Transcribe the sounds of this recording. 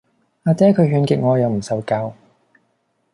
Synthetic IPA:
aː˧t͡sɛː˥kʰɵ˨˧ɥɦyː˧nkɪ˨k̚ŋɔː˨˧jɐ˨˧wm̩˨˩sɐ˨˩wkaː˧w

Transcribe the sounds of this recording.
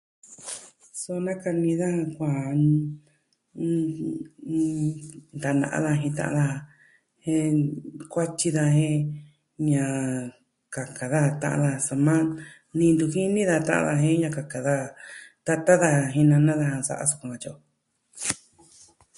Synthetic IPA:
so˧nã˦ka˧nĩ˧ða˦ã˧kʷã˨˦˧ | nd̪a˨nã̰˨ʔã̰˧ða˧ɦĩ˧t̪ã̰˧ʔã̰˧ða˧ | hẽ˦˧˦kʷa˦t͡ʃi˧ða˧hẽ˦ | ɲã˧˨ | ka˨ka˨ða˦˧t̪ã̰˧ʔã̰˧ða˧sa˧mã˦ | nĩ˧nd̪u˧hi˦nĩ˦ða˧t̪ã̰˧ʔã̰˧ða˧ɦẽ˦ɲã˧ka˨ka˨ða˦t̪a˧t̪a˦ða˧ɦĩ˧nã˧nã˦ða˧ha˧sa̰˧ʔa̰˧su̥˧kũ˧ã˧t͡ʃo˧˨

